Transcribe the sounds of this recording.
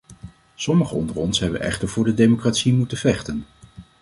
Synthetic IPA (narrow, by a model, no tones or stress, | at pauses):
sɔməχəɔ̰ndəɹɔnsɦɛbə̰nɛ̰χtəɹvʊːɹdədejmokraːtsimutəvɛχtən